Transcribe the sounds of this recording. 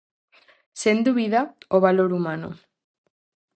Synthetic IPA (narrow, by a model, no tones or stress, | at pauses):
send̪uβiðaoβaloɾumano̰